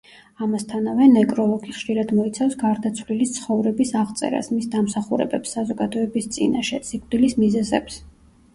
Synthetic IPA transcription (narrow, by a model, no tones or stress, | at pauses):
amast̪ʰanavɛnɛkʼɾɔlˠɔɡiχʃiɾad̪mɔit̪sʰafsɡaɾd̪at̪sʰvlilit̪sʰχɔvɾɛbisaʁt̪sʼɛ̰ɾa̰smisd̪amsaχuɾɛ̰bɛpsːazɔɡad̪ɔɛbist̪sʼḭnaʃɛsikʼd̪̥ilismizɛzɛ̰ps